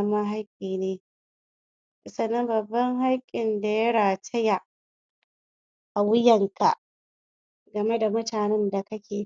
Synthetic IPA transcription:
ma˦ɦa˦jkʲʼiː˨neː˦˨ | sɐ˨nːɐ˦mbɐ˨bːɐ˦ŋɦa˦kʲʼɪ˨nda˨jɐ˦ɽaː˨tɐ˦ja˨ʔ | ʔa˨wɪ˦jɐ˨ŋkʰa̰˨ʔ | ɡɐ˨me˦da˨mʊ˦taː˨nɛ˦nda˨kɐ˦kʲʰeː˨

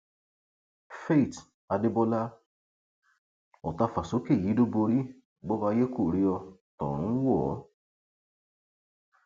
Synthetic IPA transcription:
fe˦˨t | a˧de˧˦bɔ˧la˦ | ɔ˨ta˧fa˨so˨˦ke˦˨i˨˦do˦bo˧ɾi˦ | bɔ˦ba˧je˦ko˦˨ɾi˧˦ɔ˧tɔ̰̃˨ɾ̃ũ˨˦wɔ˦˨˦

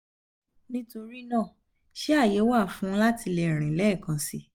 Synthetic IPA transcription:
nĩ˦to˧ɾi˦nãː˦˨ | ʃe˦a˦˨je˨˦wa˦˨fũ˦la˦ti˧lɛ˨ɾ̃ĩ˨lɛ˨˦˨kã˨sḭ˧˦

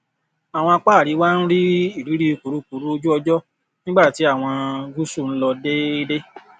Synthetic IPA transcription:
a˨w̃ɔ̃˧a˧k͡pa˦˨ɾi˨˦waː˦n̩˦ɾi˦i˦˨ɾi˨˦ɾi˦o˧ku˨ɾu˨˦ku˨ɾu˦o˧d͡ʒu˦ɔ˧d͡ʒɔ˦ | nĩ˦ɡ͡ba˦˨ti˨˦a˦˨w̃ɔ̃˧ɡu˦su˦˨n̩˦lɔ˧de˦e˦de˦

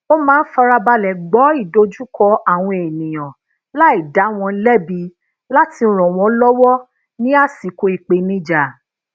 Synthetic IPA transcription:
o˦mãː˦n̩˦fa˧ɾa˧ba˧lɛ˨ɡ͡bɔ˨˦i˦˨do˧˦d͡ʒu˦kɔ˧a˦˨w̃ɔ̃˧e˨nĩ˨j̃ɔ̃˨ | la˦i˦˨da˨˦w̃ɔ̃˧˦lɛ˦bi˧ | la˦tʰi˧˨˧ɾ̃ɔ̃˨w̃ɔ̃˨˦lɔ˦wɔ˦ | nĩ˦a˦si˨ko˧i˨k͡pe˨nĩ˦d͡ʒa˦˨

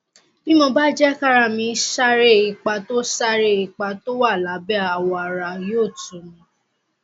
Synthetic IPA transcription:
mĩ˦mɔ˧ba˦d͡ʒɛ˦ka˦ɾa˧˨mĩ˧˦ʃa˦ɾe˦˨i˧k͡pa˧to˦ʃa˦ɾe˦˨i˧˨k͡pa˧to˦wa˦˨la˨˦bɛ˦a˨wɔ˧a˨ɾa˧joː˦˨tũ˨˦mĩ˨˦

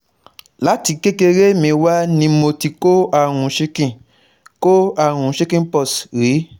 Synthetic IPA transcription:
la˨˦ti˨˧ke˦ke˧ɾe˦mẽ˨wa˦nĩ˧mo˧ti˧ko˦a˦˨ɾ̃ũ˨˦ʃe˦kĩ˦˨ | ko˦a˦˨ɾ̃ũ˨˦ʃe˦kĩ˦pɔ˦˨sɾi˨˦

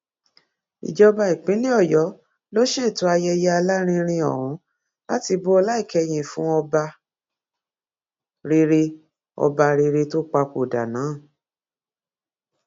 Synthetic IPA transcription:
ḭ˨d͡ʒɔ˧ba˧i˨k͡pĩ˨˦nĩ˦ɔ˦˨jɔ˨˦ | lo˦ʃe˦˨tu˨˦a˧jɛ˧jɛ˦a˧la˦ɾ̃ĩ˧ɾ̃ĩ˧ɔ̰˨ɾ̃ɔ̃˨˦ | la˦ti˧bo˦ɔ˧la˦i˦˨kɛ˧j̃ĩ˨fũ˦ɔ˧ba˧ | ɾe˧ɾe˧ | ɔ̰˧ba˧ɾe˧ɾe˧to˦k͡pa˧ko˨da̰˨nãː˨˦˨

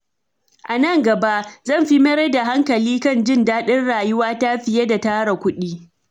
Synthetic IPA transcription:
ʔa˨nɐ˦˨ŋɡɐ˨ba˦ʔzɐ˦˨mɸi˦mɐ˦ɾe˦da˨ɦa˦ŋkɐ˨liː˦kɐ˦˨nd͡ʒɪ˦ndaː˦ɗɪ˦nɽaː˨jʊ˦waː˦ta˦ɸɪ˨je˦da˨taː˦ɾa˨kʷʊ˦ɗiː˦

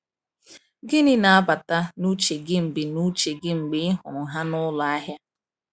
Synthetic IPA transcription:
ɡɪ˦nɪ˦na˨a˦ba˨ta˦nu˦t͡ʃe˨ɡɪ˦ŋ͡m̩˨bɪ˨nu˦t͡ʃe˨ɡɪ˦ŋ͡m̩˨ɡ͡bɪ˨ɪ˦ɦʊ˨ɾʊ˨ɦa˦nʊ˦la˨a˦ɦja˦

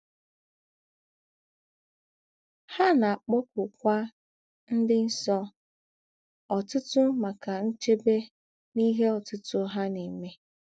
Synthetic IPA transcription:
ha˦na˨a˨k͡pʊ˦k̚ʊ˨kʷa˦ | n̩˦dɪ˦n̩˦sɔ˦ | ɔ˨tʊ˦tʊ˦ma˨ka˨n̩˦t͡ʃe˦be˦ | ni˦ɦe˦ɔ˨tʊ˦tʊ˦ɦa˦ne˨me˦

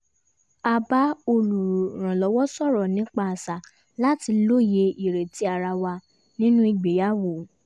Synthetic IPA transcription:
a˧ba˦o˧˨lu˨ɾ̃ã˨lɔ˨˦wɔ˦sɔ˦˨ɾɔ˨nĩ˦k͡pa˦˨sa˨ | la˦ti˧lo˦je˧ʔi˨ɾe˨ti˨˦a˨ɾa˧wa˧ | nĩ˦nũ˦i˨ɡ͡be˨ja˨˦wo˨

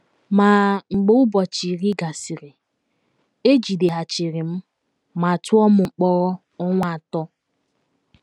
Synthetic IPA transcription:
ma˨ŋ͡m̩˨ɡ͡bo˦ʊ˦bɔ˨t͡ʃi˨ɾi˦ɡa˨si˨ɾɪ˨ | e˦d͡ʒi˨de˨ɦa˨t͡ʃi˨ɾɪ˨m̩˦ | ma˨tʊ˦ɔ˦mʊ˨ŋ͡m̩˨k͡pɔ˦ɣ | ɔ˦ŋʷa˨a˨tɔ˦

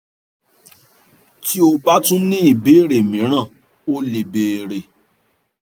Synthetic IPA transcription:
ki˦o˧ba˦tũ˦nĩ˦i˦˨be˨˦˨ɾe˨mĩ˨˦ɾ̃ã˦˨ | o˦le˨beː˨ɾe˨

